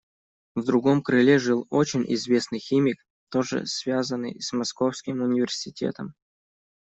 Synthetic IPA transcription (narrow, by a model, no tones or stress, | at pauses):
vd̪ɾʊɡo̞mkɾɨlʲeʐɨlˠot͡ɕɪnʲʔɪ̰zvʲe̞snɨjxʲimʲɪk | t̪o̞ʐɨ̰svʲazənːɨ̰jsmɐsko̞fskʲɪmʊnʲɪvʲɪrsʲɪtʲḛt̪əm